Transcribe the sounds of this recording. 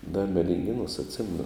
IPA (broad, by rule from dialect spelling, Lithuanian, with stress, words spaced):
dɐ mʲɛdʲɪŋʲˈɡʲeːnuɔs ɐtʲˈsʲɪmʲɛnʊ